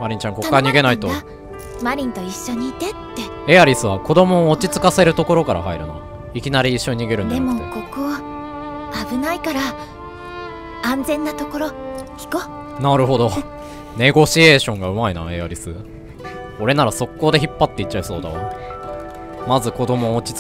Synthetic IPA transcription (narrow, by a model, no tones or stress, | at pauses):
maɾʲĩɲ̟t͡ɕãŋkokːaɲ̟iɡe̞nait̪o | maɾʲĩnt̪o̞iɕːo̞ɲ̟iːt̪et̪ːe̞ | eaɾʲisɨβako̞d̪o̞mo̞ːt͡ɕit͡sɨ̥kase̞ɾɯ̟t̪o̞ko̞ɾo̞kaɾa̰ɦa̰iɾɯ̟no̰ | ikʲinaɾʲiːɕːo̞ɲ̟iɲiɡe̞ɾɯ̃nd̪aemookoko | abɯ̟naikaɾa | ãnd͡zẽ̞nːat̪o̞ko̞ɾo̞çi̥ko | naɾɯ̟ɦo̞d̪o̞ | ne̞ɡo̞ɕieːɕõ̞ŋɡaɯ̟maina̰e̞aɾʲisɨ | o̞ɾe̞naɾaso̞kːo̞ːd̪e̞çipːat̪ːe̞itt͡ɕːaiso̞̰ːd̪a̰o | mazɨko̞d̪o̞mo̞ːt͡ɕi̥t͡s